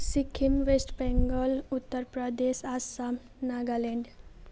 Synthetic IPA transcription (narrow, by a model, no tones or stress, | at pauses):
sikʰːimʋesʈbɛŋɡəlut̪ːəɾpɾəd̪esasam | naɡaleɳɖ